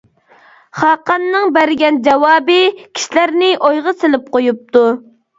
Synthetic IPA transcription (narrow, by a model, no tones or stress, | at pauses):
χɑqɑnːɨŋbæɾɪɡʲɛnd͡ʒɛwɑːbɨkʲʰi̥ʃilæɾnɪʔojʁɑsɪlɪp̚qojup̚t̪u